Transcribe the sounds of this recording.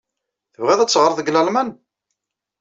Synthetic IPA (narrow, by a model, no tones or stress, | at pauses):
θəvʁæðæt͡sːʁɾˤəðˤəɡlælmæn